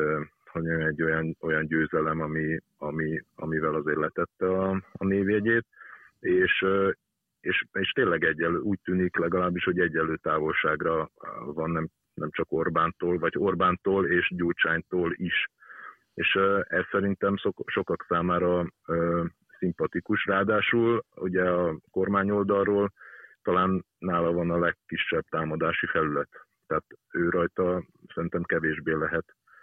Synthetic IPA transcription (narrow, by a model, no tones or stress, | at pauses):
ho̞ɟɛnɛɟːo̞jɒno̞jɒnɟøːzɛlɛmɒmi | ɒmiɒ̰mivɛlɒzeːrlɛt̪ɛt̪ːɛɒːneːviɛɟeːt̪ | eːʃ | eːʃeːʃt̪eːnlɛɡɛɟːɛløuːc̚t̪yːniklɛɡɒlaːbːiʃho̞ɟɛɟːɛlːøːt̪aːvo̞lʃaːɡrɒvɒnːɛm | nʔɛmt͡ʃɒko̞rbaːnt̪oːlvɒɟo̞rbaːnt̪oːleːʃɟoːt͡ʃaːɲt̪oːliʃ | eːʃːɛsːɛɾint̪ɛmsoʃo̞kɒksaːmaːɾɒøː | simpɒt̪ikuʃraːd̪aːʃulṵɟɛɒko̞rmaːɲo̞ld̪ɒlroːlt̪ɒlaːnː | aːlɒvɒnɒlɛkːiʃːɛb̚t̪aːmɒd̪aːʃifɛlylɛt̪ː | aːt̪øːɾɒjt̪ɒsɛɾint̪ɛmkɛveːʒbeːlɛɦɛt̪